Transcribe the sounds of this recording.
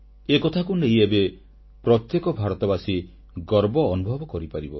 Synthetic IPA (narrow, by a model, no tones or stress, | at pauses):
ekɔt̪ʰakunejebe | pɾɔt̪jekɔbʱaɾɔt̪ɔbasi | ɡɔɾbɔːnubʱɔbɔkɔɾipaɾibɔ